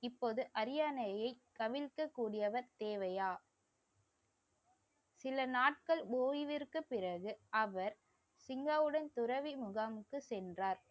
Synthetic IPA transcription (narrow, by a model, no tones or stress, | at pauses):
ɪpːoːðɯʔɐɾɪjaːnɐjɐɪkːɐʋɪlkɐkːuːɽɪjɐʋɐɾt̪eːʋɐjaː | sɪlɐnaːʈ̚kɐɭboːjɪʋɪrkɯpːɪrɐɣɯʔɐʋɐɾ | sɪŋɡaːʋɯɽɐnt̪ʊɾɐʋimʊɣamɯkːɯsɛndraːɾ